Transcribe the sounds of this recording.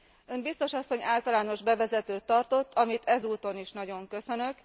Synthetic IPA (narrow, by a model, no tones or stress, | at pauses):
ømbist̪o̞ʃɒsːo̞ɲaːlt̪ɒlaːno̞ʒbɛvɛzɛt̪øːt̪ːɒrt̪o̞t̪ːɒmit̪ʰɛzuːt̪o̞niʃnɒɟo̞ŋkø̞sø̞nø̞k